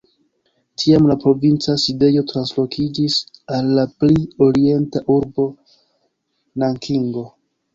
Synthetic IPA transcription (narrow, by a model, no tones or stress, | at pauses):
tʰiamlapɾo̞vint͡saside̞jo̞tɾanslo̞kʰid͡ʒisalːaplio̞ɾie̞ntaʔuɾbo̞ | naŋkʰiŋɡo̞